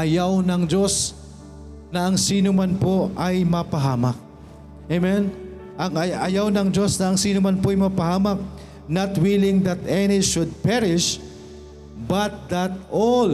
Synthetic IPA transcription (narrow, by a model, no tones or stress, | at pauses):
ʔɐjawnɐŋd͡ʒo̞s | nɐɐŋsiːnʊmanpo̞ʔɐjmɐpɐɦaːmɐk̚ | emɛn | ʔɐŋɐʔɐjawnɐŋd͡ʒo̞snɐɐŋsiːnʊmanpoʔɐjmɐpɐhaːmɐk̚ | nɐt̪wilɪŋd̪ɐt̪ʔɛniʃʊd̪̚pɛɾɹɪʃ | bɐt̪̚d̪ɐt̪̚ʔol